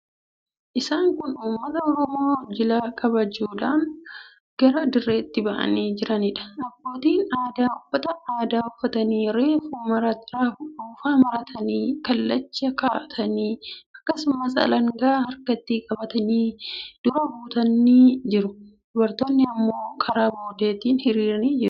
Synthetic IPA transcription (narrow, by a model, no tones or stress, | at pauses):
ʔɪsaːŋkʊnuːmːɐt̪ɐɔɾɔmoːd͡ʒɪlaːkʼɐbɐd͡ʒuːᶑaːn | ɡ̥ɐɾɐd̪ɪrːeːɪt̪ːɪbɐʔɐ̰niːd͡ʒɪɾɐnɪᶑɐ̥nɐbːo̞ːt̪iːnaːd̪aːʊfːɐt̪ɐaːd̪aːʊfːɐt̪ɐniːɾe̞ːfuːmɐɾɐɾaʊᶑuːfaːmɐɾɐt̪ʰɐniːkɐlːɐt͡ʃːɐkaːʔɐt̪ʰɐniːɐkːɐsʊmɐs̬ɐ̰lɐŋɡaːhɐɾkɐt̪ːiːkʼɐbɐt̪ɐniːd̪̥ʊɾɐbuːt̪ɐnːiːd͡ʒɪɾʊd̪̥ʊbɐɾt̪o̞ːnːɪɐmːo̞ːkʰɐɾaːboːd̪eːt̪iːnhɪɾiːɾɐniːd͡ʒɪɾʊ̥